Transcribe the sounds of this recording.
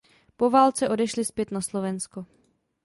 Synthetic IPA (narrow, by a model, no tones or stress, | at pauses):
po̞vaːlt͡sɛʔo̞dɛʃlɪspjɛt̪naslo̞vɛnsko